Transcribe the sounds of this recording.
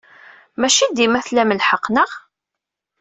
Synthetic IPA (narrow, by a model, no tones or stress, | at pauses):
mæʃid̪imæθlæməlħəqːnəʁ